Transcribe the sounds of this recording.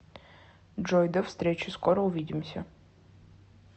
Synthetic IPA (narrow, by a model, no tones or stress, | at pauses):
d͡ʒojd̪ɐfst̪ɾʲet͡ʃʰɪskʷɔɾɔuvʲiːd̪ʲɪmsʲɐ